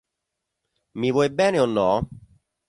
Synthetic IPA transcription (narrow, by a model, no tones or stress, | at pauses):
mivwɔjbɛːneonːɔ